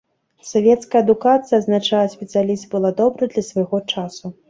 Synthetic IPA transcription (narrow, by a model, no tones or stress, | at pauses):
savʲɛt̪skɐjɐd̪ukat̪sɨjɐːznat͡ʂalˠɐsʲpʲɛt̪sɨalʲist̪bɨlˠad̪ɔbɾɨd̪lʲɐsvaɣɔt͡ʂasu